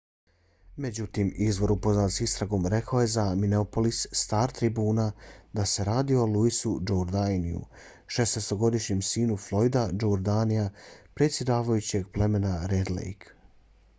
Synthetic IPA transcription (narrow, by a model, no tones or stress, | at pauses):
me̞d͡ʑut̪iːmizʋo̞ɾupo̞znasist̪ɾaɡo̞ːmɾe̞kaoje̞zamineopo̞lisːt̪aːɾt̪ɾibuːnad̪ase̞ɾaːd̪ioolˠuisud͡ʒoɾd̪ajnḭṵ | ʃe̞snest̪o̞ɡo̞d̪iʃɲemsiːnuflˠo̞jd̪ad͡ʒouɾd̪anijapɾe̞t̪sʲje̞d̪aːʋajut͡ɕe̞ɡ̚ple̞me̞naɾed̪lḛjk